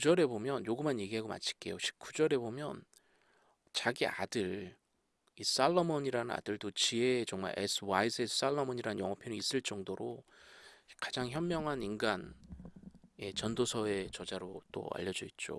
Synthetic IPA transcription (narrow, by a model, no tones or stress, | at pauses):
ud͡ʑʌɾe̞bomjʌnjoɡɯmanje̞ɡiɦaɡoma̰t͡ɕʰi̥k͈e̞̰joɕʰi̥p̚k͈ud͡ʑʌɾe̞bomjʌn | t͡ɕaɡia̰dɯɾ | is͈aɭːʌmoɲiɾanɯna̰dɯɭdot͡ɕiet͡ɕʌŋma̰ɭʔḛsʰɯwaisʰesʰs͈aɭːʌmoɲiɾanɯnjʌŋɦʌpʰoniis͈ɯɭt͡ɕ͈ʌŋdoɾo | kad͡ʑaŋçjʌmːjʌŋɦaninɡan | je̞t͡ɕʌndosʰʌe̞t͡ɕʌd͡ʑaɾot͈o̰a̰ʎːʌd͡ʑʌit̚t͡ɕ͈o̰